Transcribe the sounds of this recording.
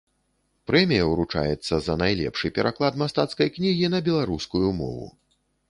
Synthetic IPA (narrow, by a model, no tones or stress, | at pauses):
pɾɛmʲijɐwɾut͡ʂa̰jɛt̪sːɐzɐnajlʲɛ̰pʂɨpʲɛɾʔaklˠad̪mast̪at̪skɐjknʲiɣʲinɐbʲɛlˠaɾuskujumɔ̰vṵ